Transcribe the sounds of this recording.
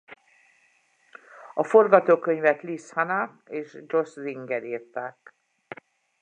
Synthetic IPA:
ɒfo̞rɡɒt̪oːkøɲvɛt̪lishɒna | eːʃd͡ʒo̞sziŋɡɛɾiːrt̪aːk

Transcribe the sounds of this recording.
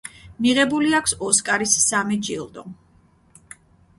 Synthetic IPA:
miʁɛbuliakʰsɔskʼaɾisːamid͡ʒilˠd̪ɔ

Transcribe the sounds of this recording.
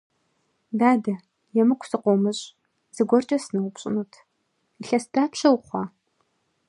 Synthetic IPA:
daːdɐ | jɛmɨkʷʰsɨqʷɔmɨɕʼ | z̥ɨɡʷɔrt͡ʃʼɐsnɐwʊpɕʼɪ̰nuːtʰ | iɬɐsd̥aːpʰʃʰɐwχʷɑː

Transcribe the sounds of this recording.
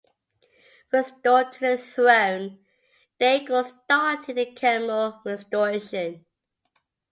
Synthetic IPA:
ɹɛstɔtʰəəθɹõʊ̃n | d̥eɪɡəstɑˑtʰɪd̚ðəkʰæməlˠɹɛstəɹeɪʃə̃n

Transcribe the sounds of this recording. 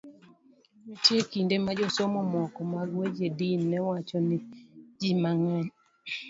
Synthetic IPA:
nitjekindemad͡ʒɔsɔmɔmɔkɔmaɡwed͡ʒedinːɛwat͡ʃɔnɪd͡ʒimaŋɛn

